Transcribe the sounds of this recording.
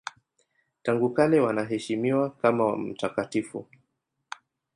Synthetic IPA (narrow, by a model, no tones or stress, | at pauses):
taŋɡukalɛwanaɦɛʃimiwakamawa̰m̩takatifṵ